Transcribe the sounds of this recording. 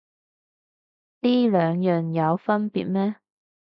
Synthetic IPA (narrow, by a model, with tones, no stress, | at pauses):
t̪iː˥lœː˨˧ŋjœː˨ŋjɐ˨˧wfɐ˥npḭː˨t̚mɛː˥